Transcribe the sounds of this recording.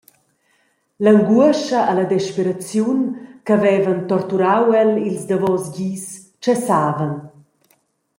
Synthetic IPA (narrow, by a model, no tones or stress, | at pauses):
laŋɡuəʃaʔːlad̪ɛʃpeɾat͡sjunkavɛvant̪ɔɾt̪uɾawɛlilzd̪avɔsɟis | t͡ʃɛsaːvan